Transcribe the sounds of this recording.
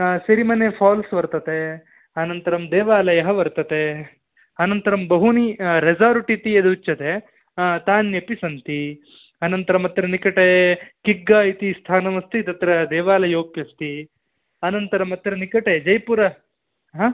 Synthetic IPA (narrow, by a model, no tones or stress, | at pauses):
sɐɾimɐnepʰaːlsʋɐɾt̪ɐt̪e | ɐnɐnt̪ɐɾɐmd̪ɛːʋaːlɐjɐɦɐʋɐɾt̪ɐt̪e | ɐnɐnt̪ɐɾɐmbɐɦuniɾed͡ʒaːɾuʈit̪iɐd̪ut͡ʃːɐt̪e | t̪aːnepisɐnt̪i | ɐnɐnt̪ɐɾɐmɐt̪ɾɐnikɐʈekiɡːaːjit̪ist̪ʰaːnɐʋɐst̪it̪ɐt̪ɾɐd̪ɛːʋaːlɐjoːkjɐst̪i | ɐnɐnt̪ɐɾɐmɐt̪ɾɐnikɐʈed͡ʒɐjpuɾɐ | ɦa